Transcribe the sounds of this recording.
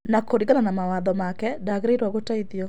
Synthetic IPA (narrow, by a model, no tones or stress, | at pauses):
nakoɾiɣananamawaðɔmakɛdaɣɾeiɾwaɣotaiðjɔ